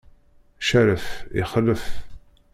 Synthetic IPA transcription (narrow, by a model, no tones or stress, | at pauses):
ʃæɾəfḭχəlːəf